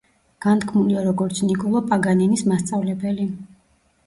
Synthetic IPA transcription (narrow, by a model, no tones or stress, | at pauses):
ɡ̥ant̪kʰmuliaɾɔɡɔɾt̪sʰnikʼɔlˠɔpʼaɡaninismast̪sʼavlɛbɛli